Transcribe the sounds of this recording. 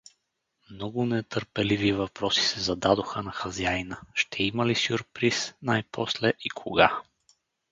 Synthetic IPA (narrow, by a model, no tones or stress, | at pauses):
mnɔɡʊnɛt̪əɾpɛlivivɐpɾɔsi̥sɛzɐd̪ad̪oxənɐxɐziajnəʃt̪ʰɛiməlisʲuɾpɾisnajpʰɔslɛʔikʰoɡa